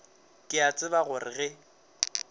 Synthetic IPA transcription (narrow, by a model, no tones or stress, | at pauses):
kʼɪat͡sʼɪbaɣʊrɪɣɛ